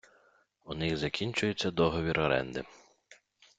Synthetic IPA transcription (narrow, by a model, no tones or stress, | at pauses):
unɪɣzɐkʲinʲt͡ʃʊjʊt͡sʲːɐd̪ɔɦɔʋʲiɾɔɾɛ̰nd̪ɪ̰